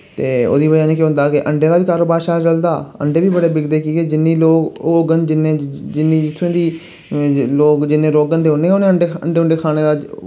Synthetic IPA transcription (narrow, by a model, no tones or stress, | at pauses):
tt̪eːo̰ːd̪iːbəd͡ʒaːnẽːkeɦʊ̃nd̪aːkɪʔəɳɖẽːd̪aːʋiːkaːɾoːbaːɾʃaːd͡ʒəld̪aːə̰ɳɖeːʋiːbəɽeːbɪɡd̪eːkiːɡeːd͡ʒɪnːiːloːkoːɡənd͡ʒɪnːẽːd͡ʒɪnːiːd͡ʒɪt̪ʰːẽːd̪iː | loːkd͡ʒɪnːẽːɾoːɡənd̪eːonẽːoːnẽːəɳɖeːəɳɖeːʊ̃ɳɖeːkʰaːɽ̃eːd̪aː